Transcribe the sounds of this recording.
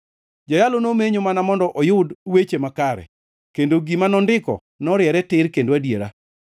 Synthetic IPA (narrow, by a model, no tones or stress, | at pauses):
d͡ʒajalonomeɲomanamɔndɔʔɔjʊdwet͡ʃemakaɾɛ̰ | kendoɡimanɔndɪkɔ̰ | nɔɾɪjɛɾɛtɪɾkendoadjeɾa̰